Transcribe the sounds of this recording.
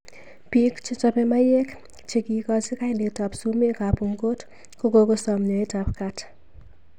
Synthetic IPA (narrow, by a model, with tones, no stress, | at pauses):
pi˦kt͡ʃɔ˦t͡ʃɔpɛ˦ma˦je˦k | t͡ʃe˨ki˨kɔ˦sɪ˦ka˦ɪnlde˨ta˨psu˦me˦kapu˨ŋɡo˦t | ko˦koko˦sɔ˨mɲɔ˨e˦tapkat